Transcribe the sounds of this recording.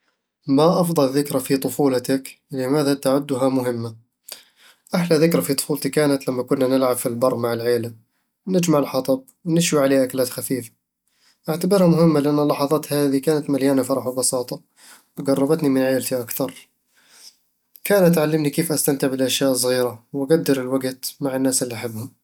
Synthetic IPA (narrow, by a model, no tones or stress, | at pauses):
maʔɑfd̪ˤɑlðɪkɾafit̪ˤʊfuːlɑt̪aklɪmaːðat̪aʕʊd̪ːʊɦamʊɦɪmːa | ʔaħlaðɪkɾafit̪ˤʊ̥fuːlt̪ikaːnat̪lamːakʊnːanɪlʕabfilbɑrˤːmaʕɪlʕeːla | nɪd͡ʒmaʕɪlħɑt̪ˤɑb̚wnɪʃwiʕaleːʔakalaːt̪xafiːfḁ | ʔaʕt̪abɪɾhamʊhɪmːalɪʔanːalːɑħɑðˤɑːt̪haːðikaːnat̪maljaːnafɑɾˤɑħwbɑsɑːt̪ˤɑ | wɡɑrˤːɑbɑt̪nimɪnʕeːlt̪iʔakθɑɾˤ | kaːnʔat̪ʕalːɪmnikeːfʔast̪ant̪ɪʕbɪlʔaʃjaːʔsˤɣiːɾawaɡad̪ːɪɾɪlwaɡt̪maʕɪnːaːsɪlːiʔaħɪbːhʊm